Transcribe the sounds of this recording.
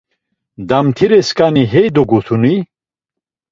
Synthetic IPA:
d̪ɐmt̪ʰiɾeskaniɦejd̪oɡut̪ʰuni

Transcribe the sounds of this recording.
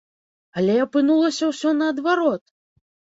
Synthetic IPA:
ɐlʲɛɐpɨnulˠɐsʲɐwsʲɔnɐːd̪vaɾɔt̪̚

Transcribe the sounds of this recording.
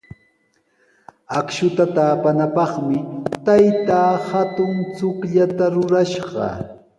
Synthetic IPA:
akʃʊt̪at̪aːpanapɑχmɪt̪ajt̪aːhat̪ʊŋt͡sʊkʎat̪aɾʊɾaʃɢɑ̰

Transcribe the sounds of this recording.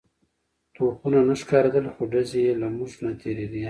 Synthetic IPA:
t̪oqunanaʂkɑɾad̪əlxoɖazejelamuʐnat̪ʰeɾed̪i

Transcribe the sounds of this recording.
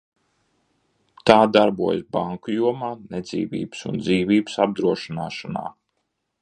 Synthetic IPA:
t̪aːd̪aɾbuɔjsbaŋkujuɔmaːned̪zḭːvḭːbɨ̥sṵnd̪ziːvʲiːbsab̚d̪ɾuɔʃinaːʃana̰ː

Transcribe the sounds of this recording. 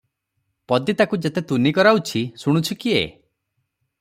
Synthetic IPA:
pɔd̪it̪akud͡ʒet̪et̪unikɔɾaut͡ʃʰisuɽ̃ut͡ʃʰukiḛ

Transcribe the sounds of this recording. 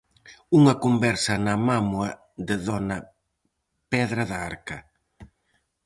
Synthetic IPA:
uŋɐkombɛɾsɐnɐmamwɐ | ðɪðɔnɐ | pɛðɾɐðaaɾkɐ

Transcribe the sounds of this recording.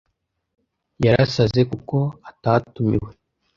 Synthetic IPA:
jaɾasaze̞kuko̞atatumḭwe

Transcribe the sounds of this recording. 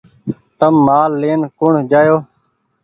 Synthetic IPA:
t̪əmːaːlːeːnkʊɳd͡ʒaːjoː

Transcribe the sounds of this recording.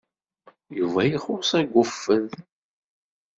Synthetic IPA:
juvæjiχʊsˤæɡʷːʊfːən

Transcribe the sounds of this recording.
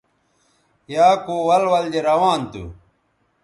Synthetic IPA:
jaːkuwɐlwɐld͡ʑeɾɐwaːnt̪ṵ

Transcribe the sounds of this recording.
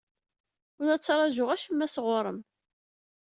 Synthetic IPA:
ʊɾæt͡sːɾˤɑʒʊʁæʃəmːæsəʁʊɾˤəm

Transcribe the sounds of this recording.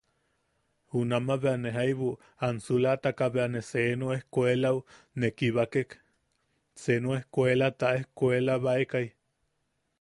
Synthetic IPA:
hunamaβeaneɦajβu | ansulat̪akaβeanesenoehkʷelau | nekiβakek | senoehkʷelat̪aʔehkʷelaβaekaj

